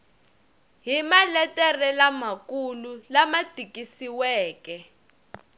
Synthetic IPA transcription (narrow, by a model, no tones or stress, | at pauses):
ɦimalɛtʼɛrɛlamakululamad̥ʱikʼisiwɛːkɛ